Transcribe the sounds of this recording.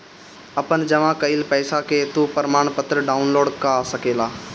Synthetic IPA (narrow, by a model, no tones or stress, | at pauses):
ɐpənd͡ʒəmãkəɪlpɛːsaket̪upəɾəmaːɳ̃pət̪ɾəɖaːʊnloːɖkasəkeːlaː